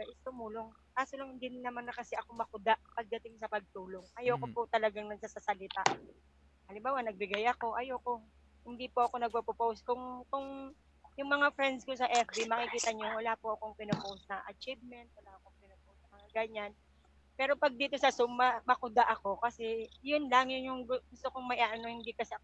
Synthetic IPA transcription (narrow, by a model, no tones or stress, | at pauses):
ɐʔɪst̪ʊmuːlo̞ŋ | kaːsolɐŋhɪnd̪ɪnːɐmanɐkɐsɛʔɐko̞mɐkʊd̪aʔpɐɡ̚d̪ɐt̪ɪŋksɐpɐɡ̚t̪uːlo̞ŋʔɐjoːkopʊt̪ɐlɐɡaŋnɐɡ̚sasasɐlɪt̪a | ʔɐlɪmbaːwɐnɐɡ̚bɪɡajɐko̞ʔɐjoːko | hɪnd̪ipoʔɐko̞nɐɡ̚pɐpopowskʊŋkʊŋ | jʊŋmɐŋafɾɛnd̪skosɐʔɛfbimɐkɪkiːt̪ɐɲowɐlaːpoʔɐkoŋpɪnopowsnɐʔɐ̰t͡ʃivmɛnt̪̚wɐlaːʔɐko̞ŋpɪnopowsnɐmɐŋaɡɐɲan | pɛːɾo̞pɐɡ̚d̪iːt̪o̞sɐsʊmːɐmɐkʊd̪aʔɐko̞kɐsɛjʊnlɐŋjʊnjʊŋɡʊɡʊst̪okoŋmɐʔaʔɐnohɪnd̪ikɐsɛ